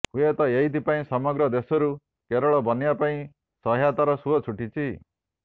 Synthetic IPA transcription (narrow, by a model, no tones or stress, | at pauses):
hũjet̪ɔeid̪ipaĩsɔmɔɡɾɔd̪esɔɾu | keɾɔɭɔbʌnijapaĩ | sɔɦjat̪aɾɔsuɔt͡sʰuʈit͡sʰi